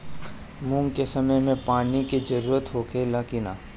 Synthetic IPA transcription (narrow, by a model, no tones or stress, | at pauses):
mũŋɡkesɐməjmẽpaːnikid͡ʒɐɾuːɾət̪ɦoːkʰelaːkina̰ː